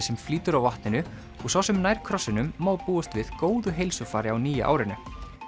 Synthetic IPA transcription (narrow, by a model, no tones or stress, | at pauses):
sɛmfliːt̪ʏɾawvaht̪nɪnʏ | ɔɣsawsɛmnaːjɾ̥kʰɾɔsːɪnʏmːaːwpuːast̪vɪðkoːwðʏɦejlsʏfaːɾɪawniːja̰ʔa̰ːwɾɪnʏ